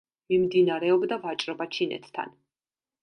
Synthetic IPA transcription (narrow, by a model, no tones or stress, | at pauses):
mimd̪inaɾɛɔbd̪avat͡ʃʼɾɔbat͡ʃʰinɛ̰t̪ʰt̪ʰa̰n